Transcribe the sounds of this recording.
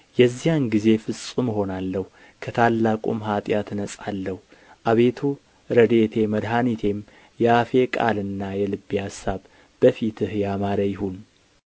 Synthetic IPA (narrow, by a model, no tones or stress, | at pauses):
jɛzːijanɡize̞fɨsʼuməɦo̞nalːəhu | kʰət̪ʰalːakʼṵmɦat̪ʼjat̪ɨnəsʼalːəhu | ʔaβe̞t̪ʰu | ɾəd̪et̪ʰe̞məd̪ɦanit̪ʰe̞m | jɛafe̞kʼa̰lɨnːajɛlɨbːihasːaβ | b̥əfit̪ʰɨhjamaɾəjɪhun